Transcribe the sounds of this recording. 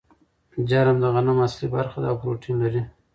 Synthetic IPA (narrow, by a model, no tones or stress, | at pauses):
d͡ʒaɾamd̪əɣanamaslibaɾxad̪aːwpɾoʈʰinlaɾi